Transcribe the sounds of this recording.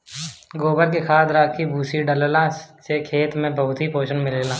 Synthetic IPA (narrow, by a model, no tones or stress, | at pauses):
ɡoːbəɾk̬ekʰaːd̪ɾaːkʰibʱuːsiɖəllãsekʰeːt̪mẽbəɦʊt̪ɦipoːʃənmɪleːlãː